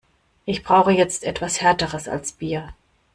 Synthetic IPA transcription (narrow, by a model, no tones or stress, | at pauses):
ʔɪçb̥ʁaʊxəjɛt͡stʔɛ̰tv̥ashɛɐtəʁəsa̰lsb̥iːɐ